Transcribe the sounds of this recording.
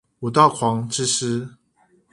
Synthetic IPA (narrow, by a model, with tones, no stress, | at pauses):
u˨˩t̪ɑ˥˨ʊkʰwɑ˨˥ŋʈ͡ʂɻ̩˦˥ʂ̩˥